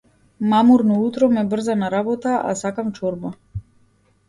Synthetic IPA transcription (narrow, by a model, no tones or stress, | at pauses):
mamuɾnɔut̪ɾɔmɛbr̩zanaɾabɔt̪aʔa̰sakamt͡ʃɔɾba